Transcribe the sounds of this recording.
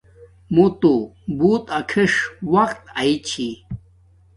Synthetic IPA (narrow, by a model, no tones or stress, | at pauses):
mut̪ubuːt̪ɐkʰiʂwɐqt̪ait͡ɕʰi